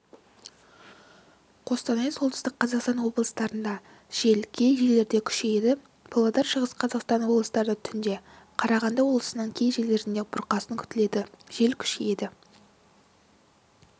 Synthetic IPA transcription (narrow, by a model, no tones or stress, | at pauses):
qʰo̞st̪ɑnɑjsot̪ə̥ʏst̪ɪqqʰːɑzɑqst̪ɑnwo̞blˠəst̪ɑɾənd̪ɑ | ʒ̥e̞lkʲʰe̞jʒe̞le̞ɾd̪e̞kʲʰʏ̥ʃejed̪ɪ | pʰolˠod̪ɑɾʃəʁəsqʰɑzɑqst̪ɑnwo̞blˠəsət̪ɑɾd̪ət̪ʰʏnd̪e̞ | qʰɑɾɑʁɑnd̪ɑwo̞blˠəsənɑɴkʲʰe̞jʒe̞le̞ɾɪnd̪ebʊɾqɑsəŋkʲʰʏ̥t̪ɪled̪ɪʒ̥e̞lkʲʰʏ̥ʃeje̞d̪ɪ